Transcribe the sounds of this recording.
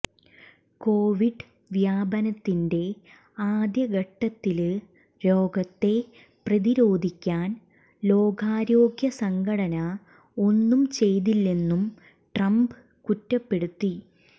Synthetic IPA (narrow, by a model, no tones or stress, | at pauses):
ko̞ːʋiɖ | ʋjaːbɐnɐt̪ːinde̞ | aːd̪jɐɡɐʈːɐt̪ːil | lo̞ːɡɐt̪ːe̞ | prɐðiɾo̞ːd̪ʱikʲːaːn | lo̞ːɡaːɾo̞ːɡjɐsɐŋɡʰʱɐɽɐnɐ | o̞nːumt͡ɕe̞jðilːe̞nːum | ʈrɐmb | kutːɐpːe̞ɽut̪ːi